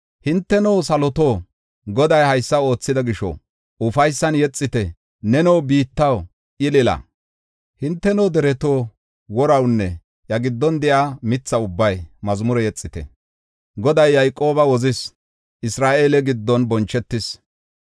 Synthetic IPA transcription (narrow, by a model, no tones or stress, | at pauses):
hɪnt̪ːɛnɔwsɐlɔt̪o̞ː | ɡɔd̪ɐjhɐjsːɐo̞ːt͡sːɪd̪ɐɡɪʃɔ̰ | ʔʊfɐjsːɐnjɛt͡sʼːɪt̪ɛ | nɛnɔwbiːt̪ːɐw | ʔɪlɪlɐ̰ | hɪnt̪ːɛnɔd̪ɛɾɛt̪oː | wɔɾɐwnːɛ | jɐɡɪd̪ːɔnd̪ɛʔaːmɪt͡sːɐʊbːɐjmɐzmʊɾɛjɛt͡sʼːɪt̪ɛ̰ | ɡɔd̪ɐjːɐjkʼo̞ːbɐwɔzɪs | ʔɪsɾaːʔeːlɛɡɪd̪ːɔnbɔnt͡ʃːɛt̪ːɪs